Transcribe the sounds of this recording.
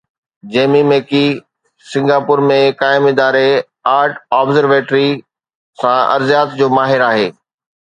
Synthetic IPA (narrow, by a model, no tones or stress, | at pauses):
d͡ʑeːmimeːki | sɪ̃ŋɡaːpʊɾmẽkaːɪmɪd̪aːɾe | aːɾʈaːbzəɾʋeːʈɾi | sãɐ̰ɾzijaːt̪d͡ʑoːmaːɦɪɾaːɦeː